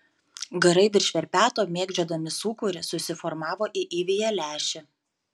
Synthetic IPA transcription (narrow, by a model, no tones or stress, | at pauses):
ɡɐɾɐɪʋʲɪɾʲʃʲʋʲɛɾʲpʲæːt̪oːmʲeːɡd͡ʒʲoːd̪ɐmʲɪsuːkʊɾʲɪsʊsʲɪfɔɾmɑːʋoːʔɪʔiːʋʲiːjɛlʲæːʃʲɪ